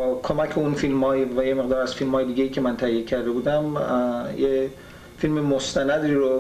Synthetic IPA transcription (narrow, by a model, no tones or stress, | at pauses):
bɒːkʰomæcʰeunfilmhɒːjivæjemeɣd̪ɒːɾæz̥filmhɒːjed̪iːɡejiːcʰe̞mænt̪ʰæijecʰæɾd̪e̞buːd̪æmje | filmemost̪ʰænæd̪ɾiɾo